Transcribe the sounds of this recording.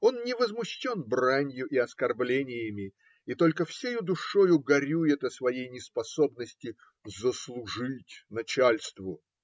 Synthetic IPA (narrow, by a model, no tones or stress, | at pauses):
o̞nnʲɪvəzmʊɕːo̞nbranʲjʊʔɪɐskɐrblʲenʲɪjɪmʲɪ | it̪o̞lʲkəfsʲejud̪ʊʂo̞jʊɡɐɾʲujɪt̪əsvɐjejnʲɪspɐso̞bnəsʲtʲɪ | zəslˠʊʐɨtʲnɐt͡ɕalʲst̪vʊ